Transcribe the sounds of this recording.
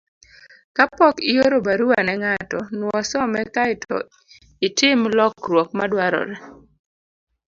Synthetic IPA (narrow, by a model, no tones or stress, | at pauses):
kapɔkijoɾobaɾuwanɛŋatɔnwɔsɔmɛkaɪtʰɔ̰ | ɪtɪmlɔkɾwɔk̚madwaɾɔ̰ɾɛ